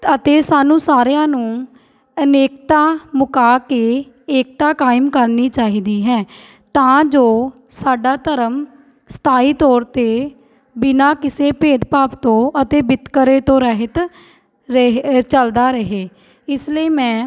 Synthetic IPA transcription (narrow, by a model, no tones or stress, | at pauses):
ət̪eːsaːnũːsaːɾejãːnũː | əneːk̚t̪aːmʊkaːkeː | eːk̚t̪aːkaːɪmkəɾniːt͡ʃaːɦiːd̪iːɦɛ̃ː | t̪ãːd͡ʒoː | saːɖaːt̪əɾəm | st̪ʰaːiːt̪ɔːɾt̪eː | bɪnaːkɪseːpeːd̪paːpt̪õːʔət̪eːbɪt̪kəɾeːt̪õːɾɛɦət̪ | ɾəɦt͡ʃəld̪aːɾəɦeː | ɪsləiːmɛ̃ː